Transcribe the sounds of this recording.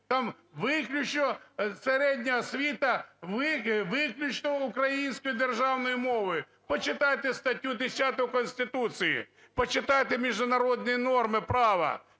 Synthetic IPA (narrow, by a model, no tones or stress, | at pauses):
t̪ɑm | ʋɪklʲʊt͡ʃnɔseɾɛdʲnʲɐɦɔsʲʋʲit̪ɐʋɪʋɪklʲʊt͡ʃnɔukɾɐjinʲsʲkɔjʊd̪erʒɑwnɔjʊmɔʋɔjʊ | pɔt͡ʃɪt̪ɑjt̪est̪ɐtʲːud̪esʲat̪ɔjʊkɔnʲsʲt̪ɪt̪ut͡sijḭ | pɔt͡ʃɪt̪ɑjt̪emʲiʒd̪ʊnɐɾɔd̪̚ʲnʲijɛnɔrmɪpɾɑʋɐ̰